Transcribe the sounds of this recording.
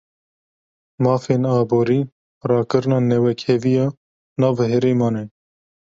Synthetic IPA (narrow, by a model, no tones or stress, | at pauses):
mɑːfeːnɑːboːɾiː | rɑːkɨɾɨnɑːnɛwɛkʰɛvijɑː | nɑːvɦɛɾeːmɑːnɛ